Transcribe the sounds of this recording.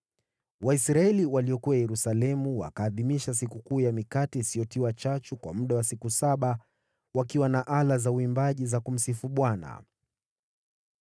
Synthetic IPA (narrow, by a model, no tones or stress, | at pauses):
waisɾaɛliwaliɔkuwajɛɾusalɛmuwa̰kaːðimiʃas̬ikukuːjamikatiːsijɔtiwat͡ʃat͡ʃukwa̰muɗawasikusaɓa | wakiwanaʔalazauimbaʄizakum̩sifuɓwana̰